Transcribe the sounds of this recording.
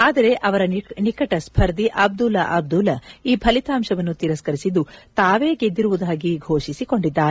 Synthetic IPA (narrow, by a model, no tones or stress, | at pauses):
aːd̪ɐɾe̞ʔɐʋɐɾɐnikɐʈɐspʰɐɾd̪iʔɐb̚d̪ulɐʔɐb̚d̪ulɐiːpʰɐlit̪aːmʃɐʋɐnːut̪iɾɐskɐɾisid̪ːut̪aːʋe̞ːɡe̞d̪ːiɾuʋud̪aːɡiɡʱo̞ːʃisiko̞ɳɖid̪ːaːɾe